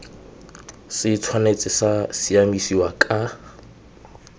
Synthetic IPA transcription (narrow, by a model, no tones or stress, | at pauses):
sɪt͡sʰwanet͡sʼɪsasiamisiwakʼa